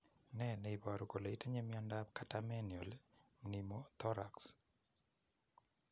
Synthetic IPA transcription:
nɛneibaɾukoleiteɲemiɔndakatamɛnjɔlmnimot̪ɔɾa̰ks

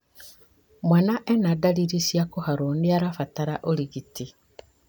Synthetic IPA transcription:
mwanaʔenadaliɾisjakohaɾondiaɾafataɾaʔoliɣiti

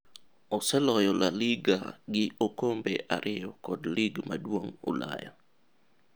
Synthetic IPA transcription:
ɔsɛlɔjɔlaliɡaɡɪokombeʔaɾʔɪjɔkɔdliɡma̰dwoŋo̰la̰ja̰

